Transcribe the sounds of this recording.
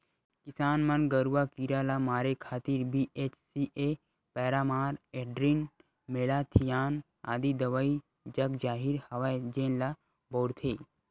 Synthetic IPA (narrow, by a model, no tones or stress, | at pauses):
kɪsaːnmɐnɡɐɾuwakiɾalamaːɾekʰaːt̪iɾbiʔet͡ʃsiʔe | pɛːɾaːmaːɾeɖɾin | meːlat̪ʰijaːn | a̰ːd̪id̪ɐʋai | d͡ʒɐkd͡ʒaːɦiɾhɐʋajd͡ʒẽːnla | boːɾt̪ʰeː